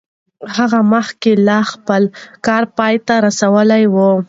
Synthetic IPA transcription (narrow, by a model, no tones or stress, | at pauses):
haɣaməxkelɑxpəlkɑɾpɑjt̪aɾasawəlajwu